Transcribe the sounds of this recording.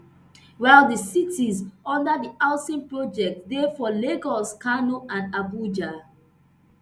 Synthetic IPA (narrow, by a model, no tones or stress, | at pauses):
waɪlˠdəsitizɔ̃ndədiʔasĩnpɹɔd͡ʒɛk̚tdɛfɔleɡɔskanoʔãndabud͡ʒa